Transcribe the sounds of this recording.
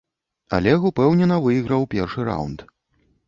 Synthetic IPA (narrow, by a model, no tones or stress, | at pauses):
a̰lʲɛɣupɛwnʲɛnɐvɨjiɣɾɐwpʲɛrʂɨɾa̰wnt̪